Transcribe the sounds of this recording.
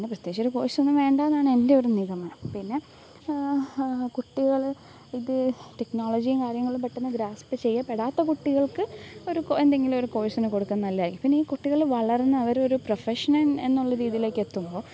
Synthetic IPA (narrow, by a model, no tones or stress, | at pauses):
nːep̬rɐt̪jekt͡ɕoɾuko̞ːjisonːɨʋe̞ːɳɖaɐðaːɳɨe̞nde̞oɾuniɣɐmaːɳɐmpinːe̞ | kuʈːiɣɐɭ | iðɨteknoːɭod͡ʑijumkaːɾjɐŋːɐɭumpɐʈːenːɐd̪ɾaːspːɨt͡ɕe̞jːɐpeɽaːt̪ːɐkuʈːiɣɐɭkɨo̞ɾukend̪eŋɡilmo̞ɾuko̞ːjisinɨko̞ɽukːaːnnːɐlːɐjaːjkːimpinːeiːkuʈːiɣɐɭʋɐɭɐrenːɐɐʋɐɾo̞ɾuprofeʂɐnɐne̞nːuɭːɐɾiːðile̞ːkːe̞t̪ːumbo̞ː